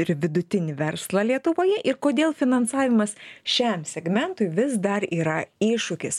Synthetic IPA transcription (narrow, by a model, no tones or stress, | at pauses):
ɪɾʋʲɪd̪ʊt̪ʲɪnʲɪʋʲɛɾslˠɐlʲiɛt̪ʊʋoːjɛʔɪɾkoːd̪ʲeːlˠfʲɪnɐnsɑːʋʲɪmɐsʃʲɛmsʲɛɡmʲɛnt̪ʊɪʋʲɪsd̪ɐɾiːɾɐiːʃʊkʲɪs